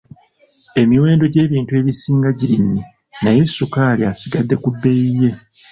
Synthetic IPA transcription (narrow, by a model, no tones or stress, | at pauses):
e̞miwe̞ːndo̞ɟe̞ːβiːntue̞ːβisiːŋɡaɟiɾiɲːi | naje̞sːukaːliasiɡadːe̞kubːe̞jije̞